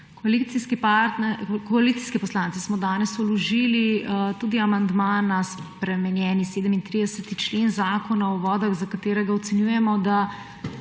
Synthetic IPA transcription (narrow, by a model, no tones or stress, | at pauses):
koalit̪siskipat̪kɔalit̪si̥skɛpɔslaːntsɛsmɔd̪aːnɛsɔlɔʒiːlit̪uːd̪iamand̪maːnaspɾɛmɛnjɛːniseːd̪əmint̪ɾiːd̪ɛsət̪it͡ʃleːnzaːkɔnaɔʋɔːd̪aɣzakat̪eːɾɛɡaɔt̪sɛnjuːjɛmɔd̪a